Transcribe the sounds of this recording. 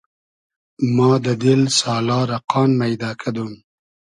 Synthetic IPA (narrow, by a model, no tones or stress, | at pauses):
mɑːd̪əd̪ɪlsɑːlɑːɾaqɑːnmajd̪ɑːkʰad̪um